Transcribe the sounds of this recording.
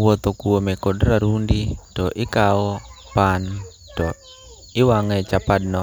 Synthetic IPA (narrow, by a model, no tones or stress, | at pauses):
wɔt̪okuomɛkodɾaɾunditɔʔɪkawɔ | pan | tɔ | ɪwaŋɛt͡ʃapadnɔ